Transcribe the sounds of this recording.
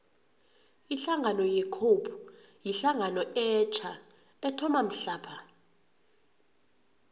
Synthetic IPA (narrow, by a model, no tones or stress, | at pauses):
iɬaŋʱanɔjɛkʰopʰujiɬaŋanɔɛt͡ʃʰʼa | ɛtʰɔmam̩ɬaːpʰa